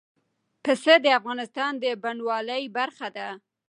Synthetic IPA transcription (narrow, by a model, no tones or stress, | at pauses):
pəsəd̪əafɣɑnɪst̪ɑnd̪əbaɳwɑləjbaɾxad̪a